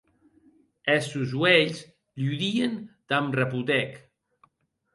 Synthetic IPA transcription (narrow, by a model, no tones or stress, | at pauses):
ɛsuzwɛʎz | ʎuðiənd̪amrəput̪ɛk